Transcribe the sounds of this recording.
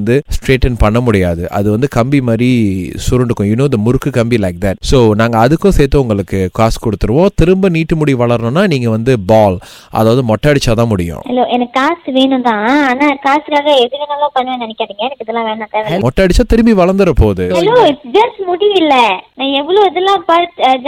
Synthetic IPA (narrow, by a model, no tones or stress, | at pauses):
nd̪ɯsʈɾeːʈːɐnpɐɳːɐmʊɽɪjaːðɯʔɐ̰ðɯʋɐnd̪ɯkɐmbimaːd̪ɾisʊɾɐɳɖɯkːʊ̃junoːd̪ɐmʊɾɯkːɯkɐmbilɐɪk̚d̪ɐʈ̚soːnaːŋɡɐːðɯkːʊ̃sɛːt̪ːɯ̃ʊŋɡɐɭɯkːɯkaːskɔɽɯt̪ːɯɾɯʋõːt̪ɪɾɯmbɐniːʈːɯmʊɽiʋɐɭɐɾnʊ̃nːaːniːŋɡɐʋɐnd̪ɯbaːl | ʔɐ̰ðaːʋɐðɯmɔʈːaːɽɪt͡ʃːaːt̪ãːmʊɽɪjʊ̰̃hɐloːʔɛnɐkːkaːsʈʋeːɳʊ̃t̪ãːaːnaːkaːsɯkaːɣɐɛðɯɾɐnaːlõːpɐnːʋẽːnɐnɛkːaːðiŋɡɐɛnɐkːɪðɛlːãːʋeːɳãːt̪eːʋemɔʈːaːɽɪt͡ʃːaːt̪ɪɾɯmbiʋɐɭɐnd̪ɯɾɐpoːðɯɐloːɪʈsd͡ʒɐsʈmʊɽiʋɪlːɐnãːɛʋːɐɭoːɪðɛlːãːpɐɾʈd͡ʒ